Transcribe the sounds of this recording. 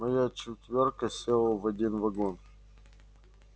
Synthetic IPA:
mɐjat͡ɕɪt̪ʲvʲorkəsʲelˠvɐdʲinvɐɡon

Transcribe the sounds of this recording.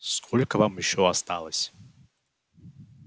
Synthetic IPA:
skʰolʲkəvamjɪɕːɔɐst̪alˠəsʲ

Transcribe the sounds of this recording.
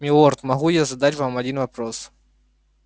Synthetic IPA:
mʲɪlˠort̪mɐɣujazɐd̪atʲvamɐdʲinvɐpɾos

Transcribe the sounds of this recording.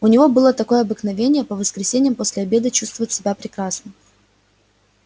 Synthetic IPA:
ʊnʲɪvo̞bɨlˠət̪ɐko̞jəɐbɨknɐvʲenʲɪjəpəvəskɾʲɪsʲenʲɪjəmposʲlʲɪɐbʲed̪ɨt͡ɕust̪vəvətʲsʲɪbʲapɾʲɪkɾasnɨm

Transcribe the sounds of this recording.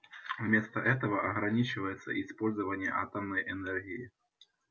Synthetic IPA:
vmʲɛst̪ɐʔɛt̪̬ɐvɐʔɐɣɾanʲit͡ʃɨvɐjɛt̪sːɐ̰ʔispɔlʲzɐvɐnʲːɛ̰ʔat̪ɐmnɐjʔɛnɛrɣʲiji

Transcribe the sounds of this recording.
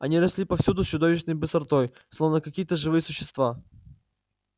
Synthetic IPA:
ɐnʲiɾɐsʲlʲipɐfsʲud̪ʊsʲt͡ɕʊd̪o̞vʲɪɕnəjbɨsɐrt̪oj | slˠo̞vnəkɐkʲijət̪əʐɨvɨjəsʊɕːɪ̥st̪va

